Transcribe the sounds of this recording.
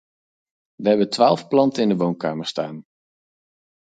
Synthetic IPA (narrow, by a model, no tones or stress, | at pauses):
ʋəɦɛbəntʋaːlˠfplɑntəɪndəʋownkaːməɹstaːn